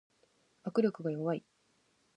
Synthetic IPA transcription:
akɯ̟ɾʲo̞kɯ̟ɡajo̞βai

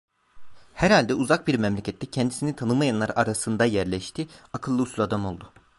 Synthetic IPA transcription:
hæɾhalʲd̪ɛuzak̚biɾmɛmlʲecʰɛt̪ːɛcʰɛnd̪isinit̪ʰanɯmajanlːˠaɾaɾasɯnd̪ajæɾlʲɛʃt̪ʰiakʰɯlˠːɯusulˠad̪amo̞lˠd̪ʊ

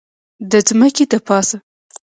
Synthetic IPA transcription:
d̪əd͡zməked̪əpɑsa

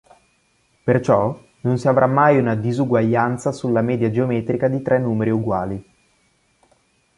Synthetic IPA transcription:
pert͡ʃɔ | nonsiavɾʔamːajunad̪izuɡwaʎːant̪sasulːamɛːd̪jad͡ʒeomɛːt̪ɾikad̪it̪ɾɛnːuːmeɾiuɡwaːli

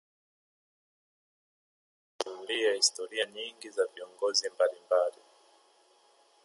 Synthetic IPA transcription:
kumuliahistɔɾiaɲiŋɡizaviɔŋɡɔzimbalimbali

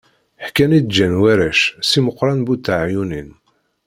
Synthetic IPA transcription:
ħkænid̪d͡ʒænwæɾæʃsiməqːɾˤɑnbut̪ːaʕjunin

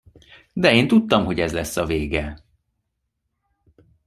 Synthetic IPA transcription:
d̪ɛeːnt̪ut̪ːɒmɦo̞ɟɛzlɛsːɒveːɡɛ

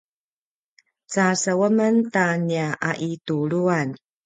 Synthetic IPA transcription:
t͡sasəwəməntaniaʔaʔituɭuan

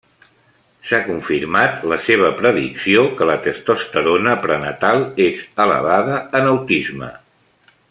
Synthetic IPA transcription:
sakuɱfiɾmat̪ləseβ̞əpɾəðḭksiokələt̪əst̪ost̪əɾonəpɾənət̪alˠezələ̰β̞aðəənəwt̪izmə̰

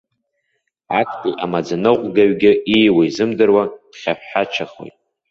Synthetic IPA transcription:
akʰtʼiʔamad͡zanɨqʷʼɡaɥɡʲɪijwaizɨmdɨrwad̥χʲaħħat͡ʃʰaχo̰jtʼ

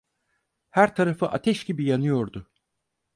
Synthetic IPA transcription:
hæɾt̪ʰaɾafɯʔat̪ʰɛʃɟibijanɯjo̞ɾd̪ʊ

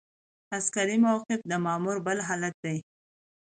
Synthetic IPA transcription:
askaɾimawqɪfd̪əmɑmuɾbəlɦɑlat̪̚d̪aj

